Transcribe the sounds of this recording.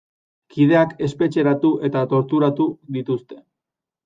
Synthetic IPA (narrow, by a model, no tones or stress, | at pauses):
kið̞e̞ake̞spe̞t͡ʃe̞ɾat̪uʔe̞t̪at̪o̞ɾt̪uɾat̪uðit̪ust̪e̞̥